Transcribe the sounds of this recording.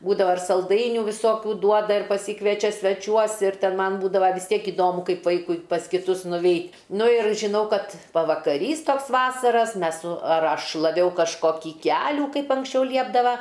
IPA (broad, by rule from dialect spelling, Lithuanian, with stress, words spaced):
ˈbuːdɐʋɐ ɐr sɐlˠˈdɐɪnʲuː ʋʲɪˈsoːkʲuː ˈduɔdɐ ɪr pɐˈsʲiːkʋʲiɛt͡ʃʲɛ sʲʋʲɛˈt͡ʃʲuɔs ɪr ˈtʲɛn ˈmɐn ˈbuːdɐʋɐ ʋʲɪs ˈtʲiɛk ɪˈdoːmʊ ˈkɐɪp ˈʋɐɪkʊɪ pɐs kʲɪˈtʊs nʊˈʋʲɛɪtʲ ˈnʊ ɪr ʒʲɪˈnɐʊ ˈkɐt pɐʋɐkɐˈrʲiːs ˈtoːks ˈʋɑːsɐrɐs ˈmʲɛs sʊ ɐr ˈɐʃ ʃlˠɐˈʋʲɛʊ kɐʃˈkoːkʲiː ˈkʲæːlʲuː ˈkɐɪp ɐŋksʲˈt͡ʃʲɛʊ ˈlʲiɛbdɐʋɐ